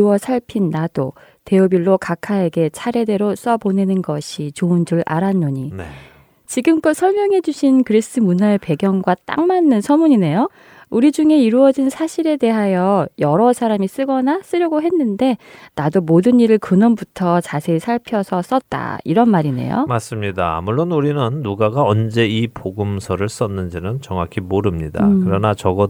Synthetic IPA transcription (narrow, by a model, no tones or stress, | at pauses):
uwʌsʰaɭpʰinːad̥o | te̞obiɭːokakʰae̞ɡe̞t͡ɕʰaɾe̞de̞ɾos͈ʌbone̞nɯnɡʌɕʰit͡ɕoɯnd͡ʑuɭa̰ɾanːoɲi | t͡ɕiɡɯmk͈osʰʌɭmjʌŋɦe̞d͡ʑuɕʰinkɯɾis͈ɯmunae̞pe̞ɡjʌŋɡwat͈a̰ŋmanːɯnsʰʌmuɲine̞jo | uɾid͡ʑuŋe̞iɾuʌd͡ʑinsʰaɕʰiɾe̞de̞ɦajʌjʌɾʌsʰaɾamis͈ɯɡʌnas͈ɯɾjʌɡoɦe̞nːɯnde̞nadomodɯniɾɯɭkɯnʌnbutʰʌt͡ɕasʰe̞isʰaɭpʰjʌsʰʌs͈ʌt̚t͈a̰ḭɾʌnmaɾine̞̰jo̰mas͈ɯmɲida̰ːmuɭːonuɾinɯnːuɡaɡaʌnd͡ʑe̞ipoɡɯmsʰʌɾɯɭs͈ʌnːɯnd͡ʑinɯnt͡ɕʌŋakʰimoɾɯmɲida̰kɯɾʌnat͡ɕʌɡʌ